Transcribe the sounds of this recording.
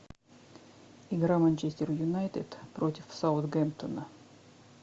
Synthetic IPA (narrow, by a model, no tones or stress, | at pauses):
ɪɡɾamɐnʲt͡ɕesʲtʲɪrjʊnajt̪ʲɪd̪̥pɾotʲɪfsaʊt̪ɡʲɛnt̪ənə